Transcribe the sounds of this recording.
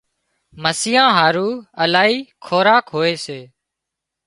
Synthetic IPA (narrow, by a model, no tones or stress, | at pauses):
məsiːãːɦaːɾuːəlaːɦiːkʰoːɾaːkɦoːeːseː